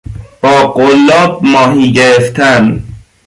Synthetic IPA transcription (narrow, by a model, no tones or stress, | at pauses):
b̥ɒːɢolːɒːb̚mɒːɦiːɟeɾeft̪ʰæn